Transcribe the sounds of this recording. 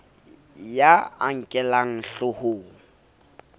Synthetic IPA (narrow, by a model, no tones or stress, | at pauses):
jaaŋ̩kʼɛlaŋ̩ɬʊhoːŋ̩